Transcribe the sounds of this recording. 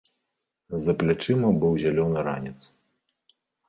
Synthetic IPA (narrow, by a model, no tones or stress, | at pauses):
zɐplʲat͡ʂɨmɐbɨwzʲalʲɔnɨɾa̰nʲit̪s